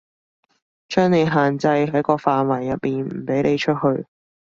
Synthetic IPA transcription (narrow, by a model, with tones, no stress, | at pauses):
t͡ʃœː˥ŋne˨˧jɦaː˨nt͡sɐ˧jɦɐ˨˥jkɔː˧faː˨nwɐ˨˩jːɐ˨t̚miː˨˩nm̩˨˩pe˨˥jne˨˧jt͡ʃʰɵ˥t̚ɦɵ˧ɥ